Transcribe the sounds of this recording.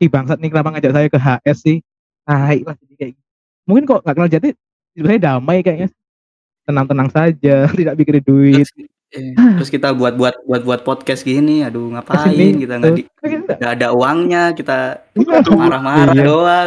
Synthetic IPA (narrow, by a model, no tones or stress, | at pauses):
sibaŋsat̪̚nikənapaŋad͡ʒaʔsajakəɦaʔɛsːɪh | aiʔlahd͡ʒadikajɡi | muŋkɪnkɔʔŋɡaʔkənald͡ʒat̪i | siusajadamajkajaʔɲas | t̪ənaŋt̪ənaŋsad͡ʒat̪idaʔ̚bikɪrdiduɪt̪̚ | ɾʊskit̪abuat̪̚buat̪̚buat̪̚buat̪̚pɔt̪̚kɛsɡiniaduŋapasiɪnɪnkit̪aŋɡi | kiaaːdauaŋɲakit̪a | aɾamaiɾajadoa